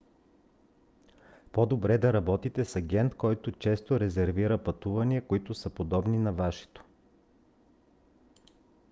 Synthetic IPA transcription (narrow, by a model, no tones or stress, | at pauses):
pod̪obɾɛd̪ɐɾɐbɔt̪it̪ɛsɐɡʲɛnt̪kɔjt̪ʊt͡ʃɛst̪oɾɛzɛɾviɾəpɐt̪uvɐniɐkoit̪ʊsəpod̪ɔbninɐvaʃɛ̥t̪o̥